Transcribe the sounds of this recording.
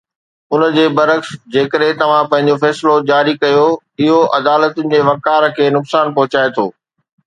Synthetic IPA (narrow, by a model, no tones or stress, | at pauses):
ʊnəd͡ʑeːbɐɾəksd͡ʑeːkəɗɦɪ̃t̪ɐʋ̤ãpɐ̃ɦɪ̃ɲ̆d͡ʑofɛːslod͡ʑaːɾikɐjo | ɪɦoʔɐd̪aːlət̪ʊnɪ̆d͡ʑeːʋɐkaːɾkʰeːnʊksaːnpɐɦʊt͡ɕaːet̪ʰo̰ː